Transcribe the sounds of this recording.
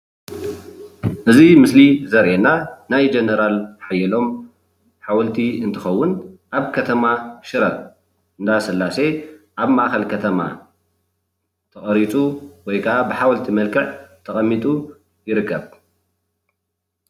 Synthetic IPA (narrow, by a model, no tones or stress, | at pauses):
ʔɨzimɨslizɐɾʔenanajd͡ʒenɐɾalħajɛlo̞m | ħawɐlt̪ʰiɨnt̪ʰɨxɐwːʊnʔaβkʰɐt̪ʰɐmaʃɨɾɐ | ɨnd̪asɨlːase̞ʔaβmaʔxɐlkʰɐt̪ʰɐma̰ | t̪ʰɐxʼɐɾit͡sʼuwɔjkʰɐʔabɨħawɐlt̪ʰimɐlkʰɨʕt̪ʰɐxʼɐmːit̪ʼu | jɪɾɨkːɐβ